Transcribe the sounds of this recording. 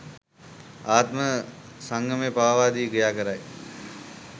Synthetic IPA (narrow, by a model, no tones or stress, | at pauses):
aːt̪mə | sɐ̃ŋɡʱəmẽpaːʋaːd̪iːɡɐjaːkəɾaːe